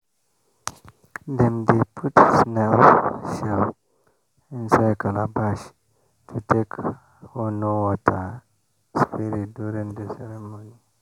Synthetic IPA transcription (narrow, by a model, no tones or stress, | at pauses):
dɛmdepʰutsnɛlʃɛl | ĩnsajkalabaʃ | tʰutʰek | hɔnowɔtʰa | spiɾiduɾĩŋdəsɛɾɛmoni